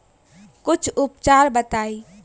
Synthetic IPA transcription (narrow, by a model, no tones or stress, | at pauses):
kʊt͡ʃʰʊpt͡ʃaːɾbət̪aːi